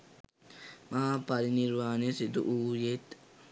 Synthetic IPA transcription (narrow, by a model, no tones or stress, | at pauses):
maːpɐɾiniɾʋaːnesid̪ṵʔuːjet̪